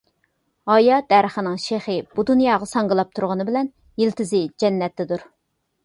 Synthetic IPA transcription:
ɑjɑd̪æɾəχənɨŋʃeχɨb̥ud̪unjɑːʁɑsɑŋʁəlˠɑp̚t̪ʰuɾʁʊnɨbɪlɛn | jilt̪ʰɪzɪd͡ʒɛnːɛt̪ːɛd̪uɾ

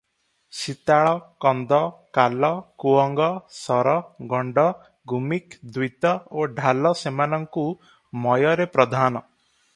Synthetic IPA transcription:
sit̪aɭɔkɔnd̪ɔkalɔkuɔŋɡɔsɔɾɔɡɔɳɖɔ | ɡʱumikd̪wit̪ɔoɖʱalɔsemanɔŋku | mɔjɔɾepɾɔd̪ʱanɔ

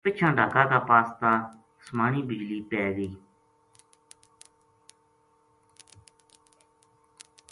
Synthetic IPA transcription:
pət͡ʃʰãːɖʱaːkãːk̪aːpaːst̪ãː | smaːɳiːbɪd͡ʒliːpɛːɡəiː

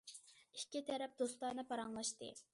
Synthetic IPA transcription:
ikʲːit̪ʰɛɾɛp̚d̪ost̪ɑɾnɨpʰɑɾɑŋlˠɑʃt̪ɨ̰

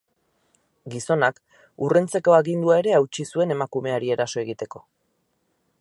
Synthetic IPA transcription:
ɡiso̞nak | ure̞nt͡se̞ko̞aɣind̪uae̞ɾe̞awt͡ʃisue̞ne̞makume̞aɾie̞ɾaso̞e̞ɣit̪e̞ko̞

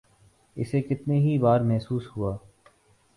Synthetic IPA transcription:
ɪ̰sekɪt̪neɦibaːɾmɛɦsuːshuaː

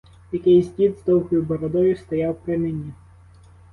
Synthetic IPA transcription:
jɐkɪjzʲdʲid̪zd̪ɔwɦɔjʊbɔɾɔd̪ɔjʊst̪ɔjɑwpɾɪnɪnʲi

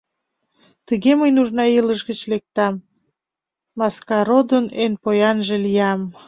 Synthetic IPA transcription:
t̪əɣeməjnuʒnɑiləʃɣət͡ɕlek̚t̪ɑm | ɑskɑɾod̪ənenpojɑnʒelijɑm

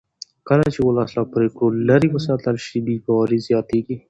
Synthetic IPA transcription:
kəlat͡ʃewəlɑslɑpɾekɽolaɾiwəsɑt̪əlʃib̪ibɑwɑɾizjɑt̪eɡi

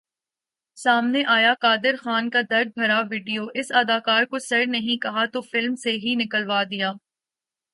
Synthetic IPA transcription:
saːmneʔaːjakaːd̪ɪɾxaːnkad̪ɐɾd̪̚bʱɐɾaʋiːɖijoːʔɪsɐːd̪aːkaːɾkosɐɾnɐɦĩkɐɦat̪ofɪlmseɦinɪkəlʋaːd̪ɪjaː

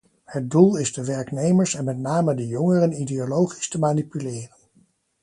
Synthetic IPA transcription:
həd̚dulˠɪzdəʋɛɹknejməɹsɛnmɛtnaːmədəjɔŋərənideolowχi̥stəmaːnipylɪːrən

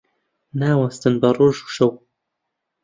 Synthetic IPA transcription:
naːwɐst̪ɨnbɐrˤoːʒu̥ʃɐw

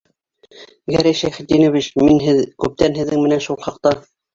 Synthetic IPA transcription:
ɡæɾæjʃæjχɘ̆t̪̚d̪inoβit͡ɕminɦɘðkʉp̚t̪ænɦɘ̆ðːɘŋmɘ̆nænʃulˠχɑqt̪ɑ

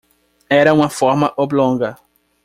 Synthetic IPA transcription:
ɛɾɐũmɐfɔɾmɐʔoblõŋɡɐ

